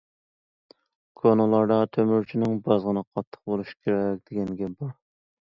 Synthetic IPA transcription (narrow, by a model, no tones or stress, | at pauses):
kʰonolˠɑɾd̪ɑt̪ʰømyɾt͡ʃʰinɪŋbɑzʁənɨqʰɑt̪ʰːə̥q̚bolˠuʃi̥kʲʰeɾɛk̚ʲd̪̥eɡʲɛnɡʲɛbɑɾ